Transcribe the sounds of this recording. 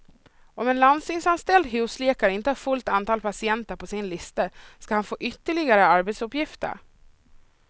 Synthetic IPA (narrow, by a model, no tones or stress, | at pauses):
ʔɔmɛnland̪st̪ɪŋsanst̪ɛld̪ɦʉ̟ːsleːkaɾəɪnt̪əhæɾfɵlt̪ant̪ʰɑːlpʰasɪɛnt̪əɾpʰɔsɪnlɪst̪əskahanfoːʔʏt̪ːəɭɪɡaɾəaɾbɛt̪sɵpjɪft̪ə̰ɾ